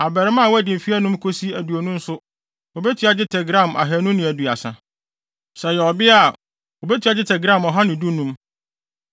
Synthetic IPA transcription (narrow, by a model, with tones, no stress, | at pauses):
a˨bɛ˨ɾɪ˦mã˦˨wɔ˦æ˨dɪ̃˨m̩˨fi˦æ˦nʊ̃˦mkʰo˦si˦æ˨du˨o˨nũ˦n̩˦sʊ˦ | ɔ˨bɛ˦tʰi˨˦a˦d͡ʑɪ˦tʰɛ˨ɡɾã˦˨mʔa̰˨ɦæ˨˦nũ˦nɪ̃˨æ˨du˨a˨sã̰˨ | sɛ˨jɛ˨ɔ˨bɪ˦a˦˨ | o˨bɛ˦tʰi˦a˦d͡ʑɪ˦tʰɛ˨ɡɾã˦˨mɔ˨ɦã˦nʊ̃˨du˦nũ˦m